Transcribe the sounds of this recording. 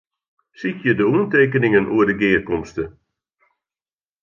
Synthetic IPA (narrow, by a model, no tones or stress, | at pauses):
sikjədəuənteːkənɪŋənʔuədəɡɪːrkɔmstə